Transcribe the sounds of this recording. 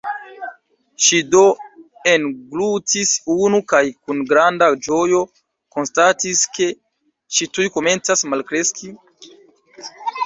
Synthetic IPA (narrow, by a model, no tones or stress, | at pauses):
ʃido̞ | e̞nɡlutisunukajkunɡɾandad͡ʒo̞jo̞ | ko̞nstatiske̞ | ʃitujko̞me̞nt͡sasmalkɾe̞ski